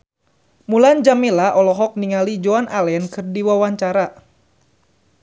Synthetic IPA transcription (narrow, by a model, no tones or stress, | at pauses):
muland͡ʒamilaʔɔlɔɦɔk̚niŋalid͡ʒoanʔalɛnkɨrdiwawaɲt͡ʃaɾa